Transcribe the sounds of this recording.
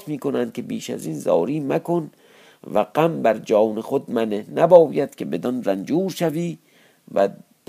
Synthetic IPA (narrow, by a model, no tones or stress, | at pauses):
t̪miːkonænd̪̚kʲʰe̞biːʃæ̰ziːnzɒ̰ːɾiːmækon | væɡæmbæɾd͡ʒɒːwnexod̪̚mænenæbɒːjæd̪̥kʰʲebed̪ɒnɾænd͡ʒuːɾʃæviː | væ̰d̪̥